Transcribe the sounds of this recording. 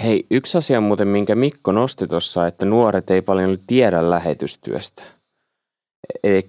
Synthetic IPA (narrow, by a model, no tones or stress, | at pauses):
he̞jyksɑsiɑmuːt̪emmiŋkæmikːono̞st̪et̪o̞sːɑet̪ːænuoɾet̪e̞jpɑljoolːut̪t̪iɛɾælːæɦet̪yst̪y̰ø̰st̪æ̥ | ee